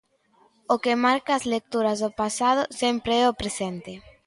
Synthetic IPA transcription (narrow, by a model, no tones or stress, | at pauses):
okemaɾkaːzlek̚t̪uɾɐzðopasað̞ʊsempɾeɛopɾesent̪ɪ